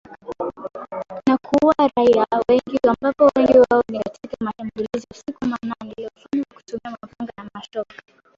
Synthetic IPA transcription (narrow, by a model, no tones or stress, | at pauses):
nakʰuwaɾaiawɛŋɡiambapɔwɛŋɡiwaɔnikatʰikamaʃambuliziasikumananɛliɔfaɲiwɔaku̥tɔmiamavaŋɡanamaʃɔkḁ